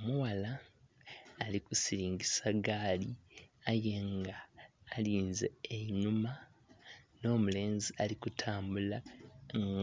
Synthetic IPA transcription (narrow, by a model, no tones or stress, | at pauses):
omuwalaː | likusiɾiːŋɡisaɡaːliajeŋɡaːliːnzeːɲuma | no̞ːmule̞ːnzialikutʰaːmbulaŋ